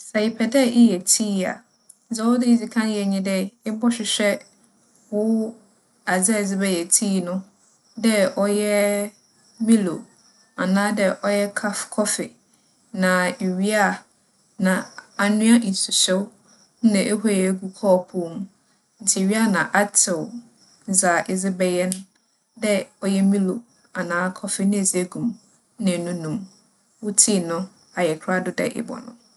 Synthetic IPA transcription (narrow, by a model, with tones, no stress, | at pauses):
sɛ˨ɪ˨pʰɛ˨dɛ˦ʔɪ˦jɛ˨tʰiː˦a̰˨˦ | d͡zɛ˦wʊ˦dɪ˦i˦d͡zi˨kʰã˦n˦jɛ˨ɲĩ˦dɛ˦ɪ˦bɔ˦ɕᶣɪ˨ɕᶣɛ˦ | wʊ˦ | a˨d͡zɛ˦˨d͡zɪ˦bɛ˦jɛ˨tʰiː˦nʊ̃˦ | dɛ˦ʔɔ˦jɛ˦ | mĩ˦lo̰˨ | a˨nãː˦dɛ˦ʔɔ˦jɛ˦kʰa˦fkʰɔ˦fɪ̰˨ | nã˨e˨ɥi˦a˦˨ | nã˨a˨nʊ̃˦a˦ʔi˨n˨sʊ˨ɕɛ˦w | n̩˦nã˨ʔe˦ɦɔ˦˨ɛ˦˨ɡu˦kʰɔː˦˨pʰʊ˦˨m˦ | n̩˦tʰɪ˨e˨ɥi˦a˨nã˨ʔa˦tʰɪ˨w | n̩˨˦za˨ʔɪ˨ze˦bɛ˨jɛ˦n | dɛ˦ɔ˦jɛ˦mĩ˦lo˨ | a˨nãː˦kʰɔ˦fɪ˨nɪ̃˦˨ze˦ɡũ˨m˦ | nã˨nũ˦nũ˨m | wʊ˦tʰi˦˨nʊ̃˦ | a˨jɛ˨kʰɾa˦dʊ˨dɛ̰˨ʔɪ̰˨bɔ̰˨nʊ̰̃˦